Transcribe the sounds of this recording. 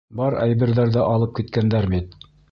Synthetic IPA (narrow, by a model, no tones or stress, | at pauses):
bɑɾæ̰jβɘ̆ɾðæɾðɘʔɑlˠɤp̚kit̪kænd̪æɾbit̪̚